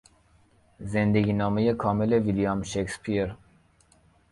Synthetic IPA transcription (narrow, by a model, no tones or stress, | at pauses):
zend̪eɡʲiːnɒːmejekʰɒːmele̞vilijɒmʃekspʰiɾ